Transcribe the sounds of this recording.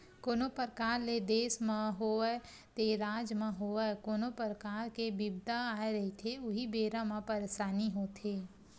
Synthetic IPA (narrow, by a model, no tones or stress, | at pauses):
koːnopəɾkaːɾled̪eːsmãɦoɛ | t̪eɾaːd͡ʒmãɦoːəkoːnopəɾəkaːɾkebibd̪ʱaaːeɾɐɦit̪ʰeʊɦibeːɾãmãpəɾeʃaːniɦoːt̪ʰeː